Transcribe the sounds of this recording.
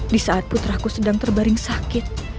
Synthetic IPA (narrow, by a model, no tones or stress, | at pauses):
disaːt̪̚put̪ɾahkusədaŋt̪ərbaɾɪŋsakɪt̪̚